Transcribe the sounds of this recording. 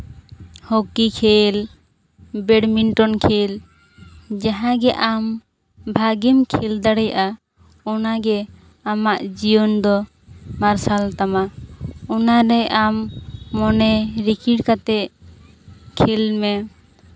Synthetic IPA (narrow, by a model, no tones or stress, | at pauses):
hokikʰel | bɛɽminʈɔnkʰel | d͡ʒaɦãɡɛʔam | bʱaɡimkʰɛld̪aɽɛja̰ʔa | ɔnaɡɛ | amaʔd͡ʒijɔnd̪ɔ | maɾsalt̪amaɔnaɾɛʔamːɔnɛɾikʰiɖkat̪ɛʔ | kʰɛlmɛ